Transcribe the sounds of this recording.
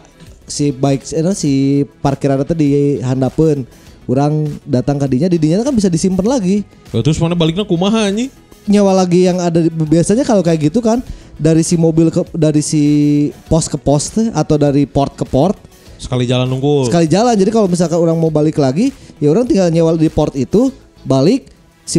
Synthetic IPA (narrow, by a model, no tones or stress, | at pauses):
sibaɪksɛnasiparkiɾanat̪adiɦandapən | uɾaŋdat̪aŋkadiɲadidiɲat̪akanbis̬adisimpənlaɡi | jat̪ɾʊsmanabalɪk̚ɲakumaɦaɲi | ɲawalaɡijaŋadaəbiasaɲakalokajaɡit̪ukandaɾisimobɪlkədaɾisipɔst̪̚kəpɔst̪at̪awdaɾipɔrt̪̚kəpɔrt̪̚ | sə̥kalid͡ʒalanuŋɡusəkalid͡ʒaland͡ʒadikalomis̬alkanuɾaŋmabalɪklaɡijauɾaŋt̪iŋɡalɲawadipɔrt̪it̪u | balɪk̚ | si